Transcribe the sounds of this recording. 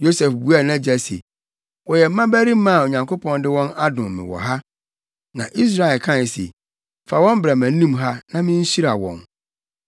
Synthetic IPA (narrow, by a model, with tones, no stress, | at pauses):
jo˦sɛ˨fbu˨˦a˨nã˦d͡ʑɛ˨sḛ˨ | wɔ˨jɛ˨m̩˦mã˦bæ˦ɾi˦mã˦˨o˨ɲã˨ŋkʰo˦pʰɔ̃˦ndɪ˦wɔ̃˦na˦dʊ̃˨mmɪ̰̃˨wɔ̰˨ɦa˦ | nã˨ʔi˦s̬ɾa˨ɪ˨kʰã˦˨n˨sḛ˨ | fa˨wɔ̃˦m˦bɾa˨mæ̃˨˦nĩ˦mɦa˦nã˦mɪ̃˦ɲ̩˦ɕi˦ɾa˨wɔ̰̃˨n